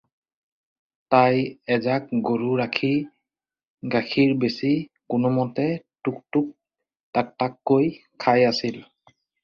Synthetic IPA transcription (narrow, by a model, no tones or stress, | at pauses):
tajɛzakɡoɹuɹakʰi | ɡakʰiɹbesikʊnʊmɔtɛtuk̚tʊk̚ | tak̚takːojkʰajasil